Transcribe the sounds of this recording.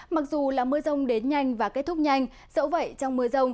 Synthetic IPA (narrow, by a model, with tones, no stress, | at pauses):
ma˨˩k̚zu˨˩laː˨˩mɨ˧əzə˧wŋ͡mɗe˨˦nɲa˧jŋ̟vaː˨˩kt̚t̪ʰʊ˦˥k̚ɲa˧jŋ̟ | z̥ə̰˧˥wvə̰˧˨jt͡ɕɔ˧wŋ͡mmɨ˧əzə˧wŋ͡m